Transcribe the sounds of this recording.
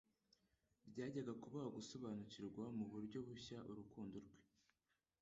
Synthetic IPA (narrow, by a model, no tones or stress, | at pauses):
bɟaːɟaɡakuβahoɡuso̞βaːnuciɾɡwamuβuɾɟo̞βuçaʔuɾukuːnduɾɡwe